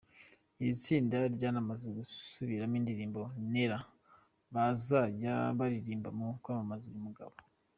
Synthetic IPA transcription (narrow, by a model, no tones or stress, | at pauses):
it͡siːndaɾɟanamazeɡusuβiɾamiːndiɾiːmbo̞neɾa | βazaɟa̰βaɾiɾiːmbamokwaːmamazijimuɡa̰βo